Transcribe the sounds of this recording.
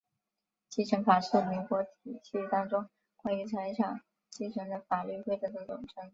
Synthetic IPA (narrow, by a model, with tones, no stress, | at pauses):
t͡ɕi˥˩ʈ͡ʂʰə˧˥ŋfa˨˩ʂɻ̩˥˩mi˧˥ŋkwɔ˧˥t̪ʰi˨˩t͡ɕi˥y˥˩t̪ɑ˥ŋʈ͡ʂʊ˥ŋ | kwa˥˧y˥˩t͡sʰə˧˥ʈ͡ʂʰɑ˨˩ŋ | t͡ɕi˥˩ʈ͡ʂʰə˧˥ŋd̪ə˧fa˨˩ly˥˧xwe˥˩ɪʈ͡ʂɤ˧˥d̪ə˧˩t͡sʊ˨˩ŋʈ͡ʂʰɤ˧˥ŋ